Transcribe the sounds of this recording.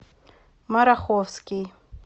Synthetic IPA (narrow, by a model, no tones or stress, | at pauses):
maɾaxofski